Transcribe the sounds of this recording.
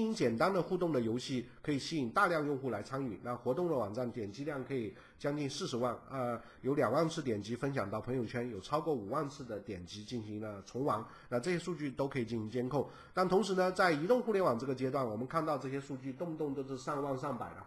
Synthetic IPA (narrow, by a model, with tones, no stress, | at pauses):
i˧˥ŋt͡ɕjɛ˨˩nt̪a˥nd̪ə˨xu˥˧t̪ʊ˥˩ŋd̪ə˩jo˧˥ʊɕi˥˩kʰɤ˧˥i˨˩ɕi˥i˨˩nt̪a˥˧ljɑ˥˧ŋjʊ˥˧ŋxu˥˩la˧˥ɪt͡sʰa˥ŋy˥˩na˥˩xwɔ˧˥t̪ʊ˥˩ŋd̪ə˩wɑ˨˩ŋʈ͡ʂa˥˩nt̪jɛ˨˩nt͡ɕi˥˧ljɑ˥˩ŋkʰɤ˧˥i˨˩ | t͡ɕjɑ˥ŋt͡ɕi˥˧nsɹ̩˥˩ʂɻ̩˧˥wa˥˩nə˧ | jo˧˥ʊljɑ˨˩ŋwa˥˩nt͡sʰɹ̩˥˩t̪jɛ˨˩nt͡ɕi˧˥fə˥nɕ̬jɑ˨˩ŋt̪ɑ˥˩ʊpʰɤ˧˥ŋjo˨ʊt͡ɕʰɥɛ˥njo˨˩ʊʈ͡ʂʰɑ˥ʊkwɔ˥˩u˨˩wa˥˧nt͡sʰɹ̩˥˩d̪ə˩t̪jɛ˨˩nt͡ɕi˧˥t͡ɕi˥˩nɕi˧˥ŋlə˧t͡sʰʊ˧˥ŋwɑ˧˥ŋ | na˥˧ʈ͡ʂɤ˥˧ɕjɛ˥ʂu˥˧t͡ɕy˥˩t̪o˥ʊkʰɤ˧˥i˨˩t͡ɕi˥˩nɕi˧˥ŋt͡ɕjɛ˥nkʰʊ˥˩ŋ | na˥˩t̪ʰʊ˧˥ŋʂ̬ɻ̩˧˥nə˧t͡sa˥˩ɪi˧˥t̪ʊ˥˧ŋxu˥˧ljnwɑ˨˩ŋʈ͡ʂɤ˥˩ɡə˩t͡ɕjɛ˥t̪wa˥˩nwɔ˨˩mə˦nkʰa˥˧nt̪ɑ˥˧ʊʈ͡ʂɤ˥˧ɕ̬jɛ˥ʂu˥˧t͡ɕy˥˧t̪ʊ˥˧ŋt̪ʊ˥˧ŋt̪o˥˧ʊʂɻ̩˥˧ʂɑ˥˧ŋwa˥˧nʂɑ˥˩ŋpa˨˩ɪd̪ə̰˦